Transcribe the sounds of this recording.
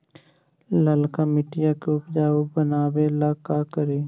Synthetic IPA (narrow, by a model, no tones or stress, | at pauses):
ləlkamɪʈɪjakeʊpd͡ʒaːubənaːbelaːkaːkəɾeː